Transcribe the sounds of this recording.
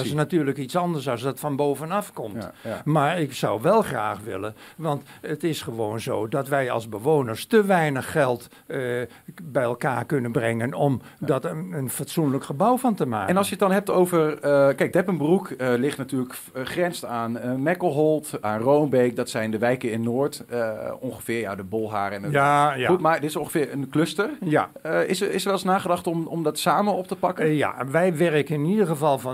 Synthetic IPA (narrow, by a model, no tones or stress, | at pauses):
sənatyːrləkitsɑndəɹsɑsdɔtfɑnboːwvənɑfkɔmtmaɹɪksawʋɛlˠχraːxʋɪ̰ləʋɑntətɪsχəʋoːnzoːdɔtʋɛjɑ̰lˠzbəʋoːnəɹstəʋɛjnəχːɛlˠt | bɛjɛlˠkaːɹkɵnənbrɛŋənɔmdɔtəənfatsunləkχəbʌwfɑntəma̰ːkɛnɑlˠsjəətdɑnɦɛp̚towvərkɛjk̚dɛpənbrukəlɪχtnatyːlək | χrɛnstaːnəmɛkəlˠɦɔlˠtaːnrownbejk̚dɑtsɛjndəʋɛjkəɪnnoːɹtɔ̃ŋχəfɪːɹja̰dəbɔlˠɦaːɾɛnjajtmadɪtɪsõŋχə̥fɪːɹənklɵstərjaɪsɪsəɹʋɛlˠsnaːχədɑχtɔmɔmdɑtsaːmənɔp̚təpɑkəja̰ʋɛjʋɛrəkəɪnidərχəvɑlˠf